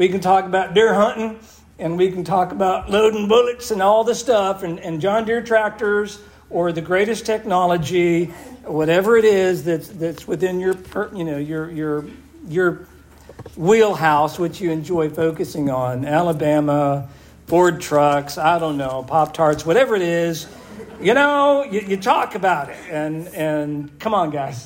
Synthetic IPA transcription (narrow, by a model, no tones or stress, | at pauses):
wikɨ̃n̩tʰɔkəbaʊt̚dɪɹhʌ̃nʔn̩ | ɨ̃nwikn̩tʰɔkəbaʊtˡloʊdⁿn̩bʊlˠɨksɨ̃nɔlˠðɨstʌfɨ̃nɨ̃nd͡ʒɑ̃ndɪɹtʰɹ̥æk̚tə˞z | ə˞ðɨɡɹeɪɾɨstʰɛk̚nɑlˠəd͡ʒiwʌɾɛvə˞ɨɾɪzðɨtðɨtswɨθɪ̃njə˞pʰəjɨnoʊjə˞jə˞ | jə˞ | wilˠɦaʊswɨt͡ʃɨɨ̃nd͡ʒɔɪfoʊkɨsɪ̃ŋə̃nælˠəbæmə | b̥ɔɹd̚tʰɹ̥ʌksaɪɾõʊ̃nːoʊpʰɑp̚tʰɑɹtswʌɾɛvə˞ɨɾɪz | jɨnoʊjɨjɨtʰɔkɨbaʊɾɪt̚ɨ̃nɨ̃nkʰʌ̃mə̃nɡaɪz̥